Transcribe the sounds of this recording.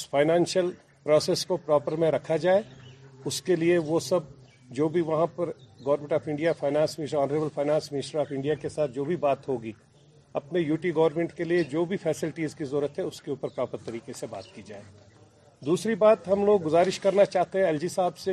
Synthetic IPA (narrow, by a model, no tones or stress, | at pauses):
ʊsfaːɪnɛ̃ːnʃjəl | pɾɔːseːskopɾɔːpəɾmẽɾɐkʰad͡ʒaːeʊskelieʋosɐb̚ | d͡ʒoːbʱiʋɐɦãpɐɾɡɐːʋɾmẽɳʈɔːfɪ̃ɳɖijafaːɪnãːnsmɪɪsʈɔːnəɾeːbəlfʰaːɪnãːnsmɪnɪsʈəɾaːfɪ̃ɳɖijakesaːt̪̚ʰd͡ʒoːbʱibaːt̪ɦoːɡiː | ɐpnejuːʈiɡɐʋəɾmẽɳʈkelied͡ʒoːbʱifɛːsɪlɪʈiːzkizɔːɾət̪ɦɛʊskeuːpəɾpɾaːpəɾt̪ːɐɾiːkeseba̰ːt̪kid͡ʒa̰ːeː | d̪uːsɾibaːt̪ɦɐmloːɡːʊzaːɾɪʃkɐɾnat͡ʃaːɦt̪eɦɛ̃ɛld͡ʒisaːbse